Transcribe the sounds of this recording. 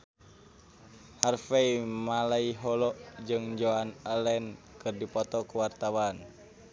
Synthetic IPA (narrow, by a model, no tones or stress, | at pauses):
harfɛimalaiɦɔlɔʔd͡ʒɨŋd͡ʒoanəlɛnkɨrdipɔt̪ɔkuwart̪awan